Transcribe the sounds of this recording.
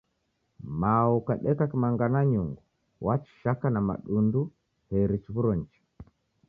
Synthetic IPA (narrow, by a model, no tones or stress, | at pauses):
maukaɗɛkakimaŋɡanaɲuŋɡu | wat͡ʃi̥ʃakanama̰ɗundu | hɛɾit͡ʃiβuɾɔɲ̩t͡ʃi̥